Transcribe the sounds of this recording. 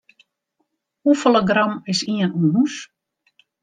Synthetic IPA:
ufəlˠəɡramɪsiənunɦus

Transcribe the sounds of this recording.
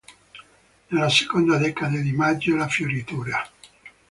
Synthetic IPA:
nelːase̥kond̪ad̪ɛkad̪ad̪imad͡ʒːolafjoɾit̪uːɾa

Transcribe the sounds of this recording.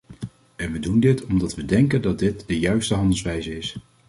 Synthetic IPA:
ɛnʋədundɪtʰɔmdɑtʋədɛŋkəndɑd̚dɪt̚dəjœɥstəɦɑndəlˠsʋɛjzəɪs

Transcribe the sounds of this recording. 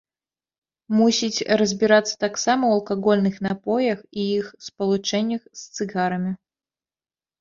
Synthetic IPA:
musʲit͡sʲrɐzʲbʲiɾat̪sːɐ̥t̪aksamɐwɐlˠkaɣɔlʲnɨxn̪apɔjɐxijixspɐlˠut͡ʂɛnʲːɐxst̪sɨɣaɾɐmʲi

